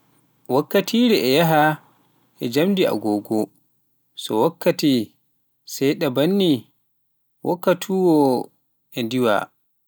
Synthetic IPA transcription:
wakːatʰiːɾɛʔɛjaɦa | ʔɛd͡ʒamdia̰ɡɔːɡɔ | sɔ̰wakːati | sajɗabanːi | wʔa̰kːatʰuwɔ | ʔɛndiwa̰

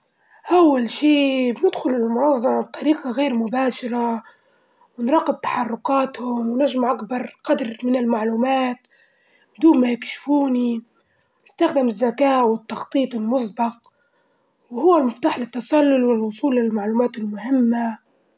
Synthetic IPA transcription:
ʔawːalʃiːbɪnɪd̪xʊlɪlmʊnɑzˤːɑmɑb̚t̪ˤʰːɑɾiːqɑɣeːɾmʊbaːʃɑɾˤɑ | wɪnɾˤɑːqːɪb̚t̪ḁħɑrˤːʊqɑːt̪hʊmwnaʒmʔakbɑɾˤqɑd̪ɾmɪnɪlmaʕluːmaːt̪ | bɪd̪uːmmajɪkʃɪ̥fuːni | nɪst̪axd̪ɪmɪzːakaːʔwɪt̪ːɑxt̪ˤiːt̪ˤɪlmʊsˤbɑq̚ | wɪhʊwːalmʊft̪aːħlɪt̪ːɑsɑlːʊlwɪlwʊsˤuːlːɪlalmaʕluːmaːt̪ɪlmʊhɪmːa

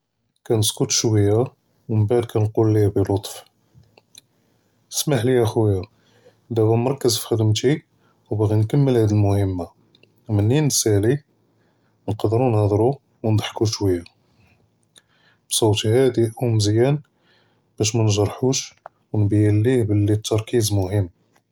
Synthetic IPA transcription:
kænəskʊt̪ʃwəjːa | wməbaʕd̪̚kʰænqulːihbəlot̪ˤf | nəsmaħliʔæxujæ | d̪æbæmɑɾˤkəzfi̥xəd̪əmt̪i | wbɣinkəmːəlhæd̪ilmʊhəmːa | mənːinːsæli | nqɑd̪ɾunhɑd̪ˤɾu | wnd̪ˤɑħkuʃwəjːa | b̥sˤowt̪ihæd̪iʔumzjæn | b̥æʃ̬mænʒɑɾˤħuʃ | wnbjælːihbəlːit̪ʰːɑɾˤkizmʊhəmː

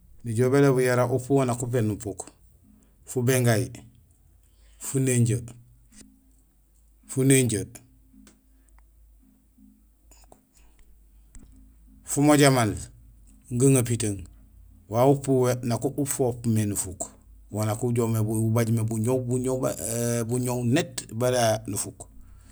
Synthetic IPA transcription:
niɟobelebujaɾaʔupuwanakup̬enupuk | fubeŋɡaj | funeɲɟə | funeɲɟə | fumoɟaman | ŋɡaŋapitaŋ | wawupuwenakuʔufoːpmenufuk | wanakuɟoːmebububaɟmebuɲowbuɲo | buɲownetbaɾanufuk

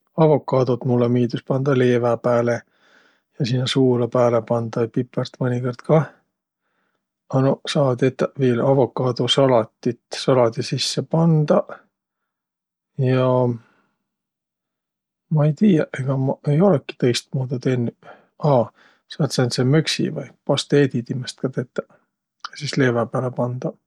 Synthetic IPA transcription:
ɑvo̞kːˑɑːd̪ot̪mulːemiːd̪uspɑnd̪̥ɑleːvæpæːle | jɑsinːɑsuːlɑpæːlepɑnd̪̥ɑpipːˑert̪mɤnʲiko̞rd̪̥kɑ | ɑnosɑːd̪et̪ːˑɑviːlɑvo̞kːˑɑːd̪̥usɑlɑt̪ːˑit̪sɑlɑd̪isisːepɑnd̪̥ɑ | jɑ | mɑejt̪iːjɑʔeɡ̥ɑmɑejo̞lekːˑi̥t̪ɤjst̪̚muːd̪ud̪enːy | ɑː | sɑːt̪sent̪semøksḭvɑjpɑst̪e̞ːd̪it̪imest̪̚kɑt̪et̪ːæ̥ | jɑsisle̞ːvɑpæːlepɑnd̪̥ɑ

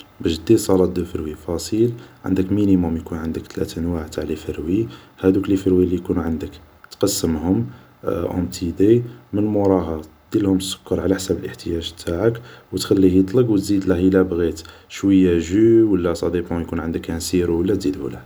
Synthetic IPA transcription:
bæʃd̪isˤɑlɑt̪̚d̪əfəɾwifɑsˤilʕə̰nd̪əkminimʊmjkunʕənd̪əkt̪ʰlæ̰t̪ʔənwaʕt̪ʰaʕlifəɾwihæd̪uklifəɾwilijkunuʕənd̪ək | t̪qɑsːəmhʊm | ʔɑ̰̃mt̪ʰid̪emənmʊɾˤɑɦɑ | d̪̥ilhʊmt̪sːʊ̥kːəɾˤʕalæħsæbəlʔəħt̪əjæʒt̪ʰaʕəkwət̪xælːijət̪ˤləqwət̪zid̪ləhəlæbɣit̪ʃwəjːæʒuwəlːæsˤɑd̪ibhʊmjkunʕənd̪əkænsiɾwəlːæt̪zid̪ə̰ləh

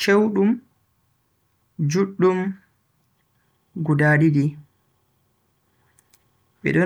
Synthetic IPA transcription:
t͡ʃewɗum | d͡ʒuɗːum | ɡudaːɗidi | ɓɛ̰ɗɔ

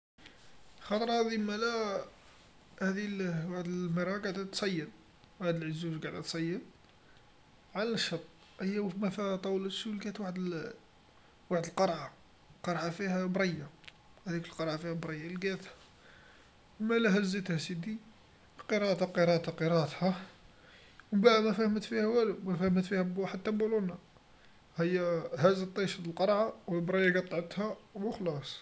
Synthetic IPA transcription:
xɑt̪ˤɾˤɑhæd̪ilmælæ | hæd̪ilwaħd̪əməɾˤɑɡaʕd̪æt̪ːsˤɑjːən | waħd̪əlʕəzuzɡaʕd̪æt̪sˤɑjːən | ʕalnəʃːɑt̪ˤ | ʔəjːæwfmæfæt̪ˤɑwləʃulɡæt̪waħd̪ | waħd̪əlqɑɾˤʕa | qɑɾˤʕafihæbɾˤɑjːa | hæd̪ikəlqɑɾˤʕafihæbɾˤɑjːalɡæt̪hæ̥ | wmælæɦæzːit̪hæsid̪i | qəɾɑʔt̪ɑqəɾˤɑt̪ɑqəɾˤɑt̪hæ | wbaʕmæfæhmət̪fihæwælmæfæhəmət̪fihæbħad̪̚t̪ːæbuluna | həjːæhæzət̪ˤːɑʃəd̪əlqɑɾˤʕawəlbɾˤɑjːaɡætt̪ˤːʕət̪hæwəxlɑsˤ

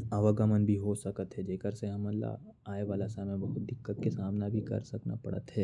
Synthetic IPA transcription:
ɐʋəɡəmənbʱiɦosɐkət̪ɦɛd͡ʒeːkəɾseɦɐməlːa̰ | aːeʋaːlasaːmẽbɐɦʊt̪̚d̪ɪkːət̪̚kesaːmnabʱikɐ̰ɾsɐkna̰pɐ̰ɽə̰t̪ɦɛː

